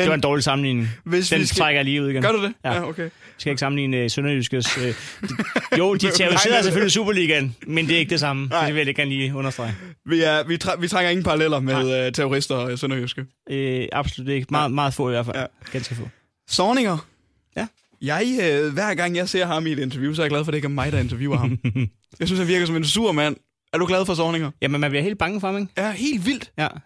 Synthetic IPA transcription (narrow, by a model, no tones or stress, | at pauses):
eʋɑ̈e̝nd̥ɒ̰ːlisɑ̈mn̩lḭːne̝ŋed̥ent͡sʰʁɑɡ̥ɐjliːuð̰ˠɡ̥enɡɶɐdud̥ejæokʰe | ʋiskæe̝ɡ̥sɑ̈mn̩lḭːnəsønɐjysɡ̥əsø̥ː | jod̥it͡sʰeoʁiseːɐɐseføllisṵːb̥ɐliːɡ̥ænmend̥e̝æɐe̝ɡ̥əd̥e̝s̬ɑ̈məd̥e̝ʋe̝jae̝ɡ̥æɐːnliːɔ̽nɐsd̥ʁɑ̈ɪ̰ | ʋiʋiʋit͡sʰʁaŋ̥ɐe̝ŋn̩pʰɑ̈ɑlelɐmeðˠt͡sʰeoʁisd̥ɐsønɐjysɡ̥əɑ̈b̥solud̥ee̝ɡ̥əmɑ̈ːð̩ˠmɑːð̞̩ˠfɔ̰̽ːiʋæɐ̰fæɡ̥ænsɡ̥əfɔ̰̽ː | sɒːne̝ŋɐ | jæ | jɑ̈ɪøʋæɐ̰ɡ̥ɑ̈ŋ̰jɑ̈ɪse̝ɐ̰ɦɑ̈mied̥ent͡sʰɛɐjus̬ɒæɐjɡ̥læðˠfɒ̽ɾekʰæmɑ̈ɪdɑe̝nt͡sʰɐʋjṵːɐhɑm | jɑ̈ɪsynshænʋiɐɡ̥ɐsɒ̽mensuɐ̰mæn̰ | æɐɾ̥uɡ̥lɛð̞ˠfɒ̽sɒːne̝ŋɐjæmənmænb̥iɐe̝̰ːld̥̚bɑ̈ŋəfɒhɑ̈meɡ̥jæhe̝̰ːld̥ʋil̰d̥jæ